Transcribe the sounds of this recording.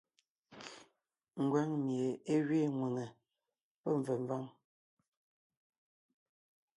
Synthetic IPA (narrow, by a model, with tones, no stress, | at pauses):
ŋ̩˨ɡwɛ˨˦ŋmje˨e˦ɣɥe˦˨ŋwu˨ŋɛ˨ | pə˦ɱ̩˨və˨ɱ˨va˦ŋ